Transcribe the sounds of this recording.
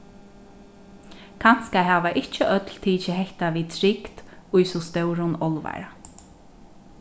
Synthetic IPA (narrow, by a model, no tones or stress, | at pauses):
kʰan̥skaɦaːvaʔɪht͡ʃəʔœt̪lt̪ʰiːt͡ʃɪɦɛht̪aʋiːt̪ʰɾɪkt̪ʊjsɔst̪œwɾʊnɔlʋa̰jɾa